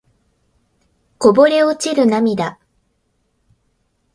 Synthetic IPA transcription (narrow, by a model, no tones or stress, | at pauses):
ko̞bo̞ɾe̞ot͡ɕiɾɯ̟namʲid̪a